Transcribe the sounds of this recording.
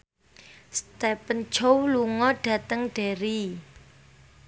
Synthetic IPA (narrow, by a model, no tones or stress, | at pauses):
st̪ɛpən̥t͡ʃowluŋɔɖ̥ä̤t̪əŋɖ̥e̤ɾi